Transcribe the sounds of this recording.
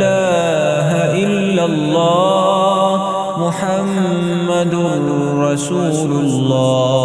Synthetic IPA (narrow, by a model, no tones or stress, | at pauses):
laː | ɦaʔɪlːalˤːɑː | mʊħamː | ad̪ | ɾɑsuːlʊlːɑː